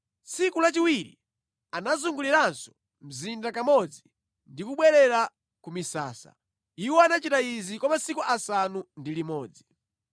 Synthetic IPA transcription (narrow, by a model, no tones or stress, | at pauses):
sikulat͡ʃiwiɾḭ | anazuŋɡuliɾansɔ̥ | m̩zindakamɔd͡zi | ndikuɓwɛɾɛɾa | kumisa̰ːsa̰ | iwɔanat͡ʃitaizikɔmasikuʔasanundilimɔːd͡zi